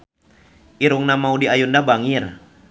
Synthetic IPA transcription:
ʔiɾuŋnamaudiajundabaŋir

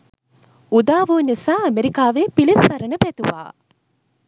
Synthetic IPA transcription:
ud̪aːʋuːnisaːɐmeɾikaːʋeːpilisɐɾənəpæt̪uʋa̰ː

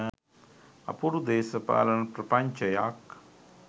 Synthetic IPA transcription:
ɐ̰puɾud̪eːsɐpa̰ːlɐnɐpɾɐpɐɲt͡ʃɐjaːk

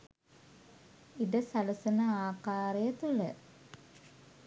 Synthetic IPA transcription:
iɖəsaləsənəaːkaːɾejət̪ulə

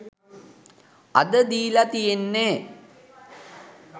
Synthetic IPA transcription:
ɐ̰d̪əd̪iːlɐt̪ijenːeː

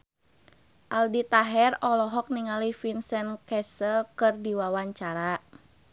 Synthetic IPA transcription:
ʔaldit̪aɦɛrɔlɔɦɔk̚niŋalifinsɛnkɛsəlkɨrdiwawaɲt͡ʃaɾa

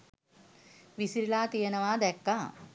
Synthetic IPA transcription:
ʋisiɾilaːt̪ijənəʋaːd̪ɛkːaː

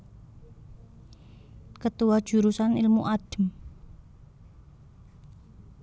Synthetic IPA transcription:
kət̪uwad̥ʒ̥ṳɾusanilmuʔaɖ̥əm

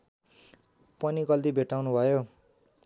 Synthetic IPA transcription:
pʌnikʌlt̪ibʱeʈawnubʱʌjo

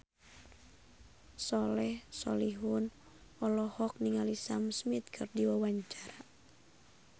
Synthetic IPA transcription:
sɔlɛhsɔ̰liɦun | ɔlɔhɔk̚niŋalisamsmit̪̚kʰɨrdiwawaɲt͡ʃaɾa

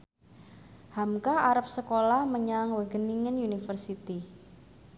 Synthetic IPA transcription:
hamkaaɾap̚səkolahməɲaŋwəɡəniŋənjunifərsit̪i

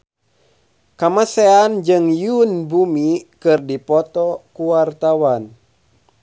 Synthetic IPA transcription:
kamaseand͡ʒɨŋjunbumikɨrdipɔt̪ɔkuwart̪awan

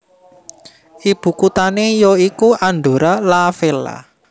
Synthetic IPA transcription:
ʔib̥ṳkut̪anejɔikuʔanɖ̪o̤ɾalafela̰

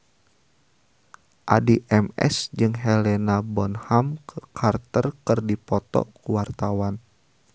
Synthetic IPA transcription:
ʔadiʔɛmɛ̰sd͡ʒɨŋɦɛlɛnabɔnhamkəkʰart̪ərkɨrdipɔt̪ɔ̰kuwart̪awan

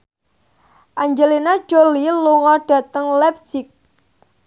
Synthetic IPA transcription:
ʔaɲd͡ʒəlinḁd͡ʒ̥oliluŋɔɖ̥ä̤t̪əŋlɛp̚sɪk̚

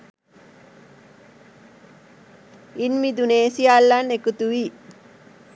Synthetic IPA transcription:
inmid̪uneːsialːanekut̪uʋi

